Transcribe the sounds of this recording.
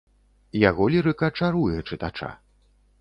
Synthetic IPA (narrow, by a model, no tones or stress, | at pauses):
jaɣɔlʲiɾɨkɐt͡ʂaɾujɛt͡ʂɨt̪at͡ʂa̰